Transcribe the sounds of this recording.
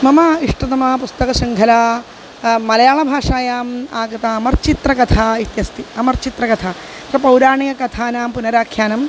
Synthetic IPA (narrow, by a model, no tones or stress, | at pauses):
mɐmɐiʂʈɐt̪ɐmaːpust̪ɐkɐsiŋɡʰʱɐlaː | mɐlɐjaːɭɐbʱaːʂaːjaːmaːkɐt̪aːɐmɐrt͡ʃit̪ɾɐkɐt̪ʰaːit̪jɐst̪iɐmɐrt͡ʃit̪ɾɐkɐt̪ʰaː | t̪ɾɐpɐwɾaːɳijɐkɐt̪ʰaːnaːmpunɐɾaːkʰjaːnɐm